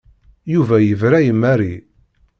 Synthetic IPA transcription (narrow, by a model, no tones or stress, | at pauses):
juvæjəvɾæjəmːæɾi